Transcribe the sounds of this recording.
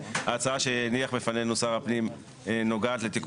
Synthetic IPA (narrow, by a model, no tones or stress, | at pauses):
at͡saaʃeniaχbefanejnusaʁapnim | no̞ɡaːt̪let̪ik